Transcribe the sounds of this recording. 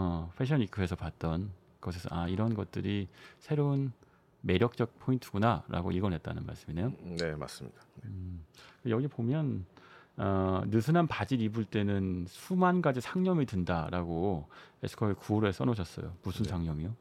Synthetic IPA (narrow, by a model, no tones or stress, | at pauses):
ʌpʰeɕʰʌnikʰɯe̞sʰʌpat̚t͈ʌn | kɯʌsʰesʰʌ̰ʔaiɾʌnɡʌt̚t͈ɯɾisʰe̞ɾoun | me̞ɾjʌk̚t͡ɕ͈ʌk̚pʰointʰɯ̥ɡunaɾa̰ɡo̰iɡʌnɦet̚t͈a̰nɯnma̰ɭs͈ɯmine̞jonema̰s͈ɯmɲika | kjʌɡipomjʌn | ʌnɯsʰɯnanpad͡ʑiɾibuɭt͈e̞nɯnsʰumank͈ad͡ʑisʰaŋɲʌmitɯndaɾaɡoe̞̰sʰɯ̥kʰʌeɭkuɾoes͈ʌ̰nʌɕʰʌs͈ʌ̰jo̰musʰɯnsʰaŋɲʌmio